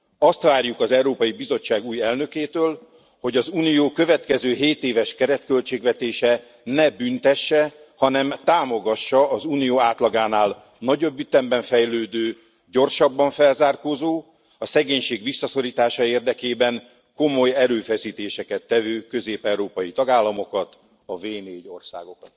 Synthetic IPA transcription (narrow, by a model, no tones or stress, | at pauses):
ɒst̪ʋaːrjukɒzɛwɾoːpɒjibizo̞t͡ʃːaːɡuːjɛlnø̞keːt̪øːl | ho̞ɟɒzuːnijoːkøvɛt̪kɛzøːɦeːt̪eːvɛʃkɛɾɛt̪kø̞lt͡ʃeːɡʋɛt̪eːʃɛ | nɛbynt̪ɛʃːɛhɒnɛmt̪aːmo̞ɡɒʃːɒːzuːnijoːaːt̪lɒɡaːnaːl | nɒɟo̞bːyt̪ɛmbɛɱfɛjløːd̪øː | ɟo̞rʃɒbːɒɱfɛlzaːrkozoː | ɒsɛɡeːɲʃeːɡʋisːɒso̞ɾiːt̪aːʃɒeːrd̪ɛkeːbɛŋ | ko̞mo̞jɛɾøːfɛsiːt̪eːʃɛkɛt̪ːɛvøːkø̞zeːpɛuɾoːpɒjit̪ɒɡaːlːɒmo̞kɒt̪ | ɒveːneːɟo̞̰rsa̰ːɡo̞kɒt̪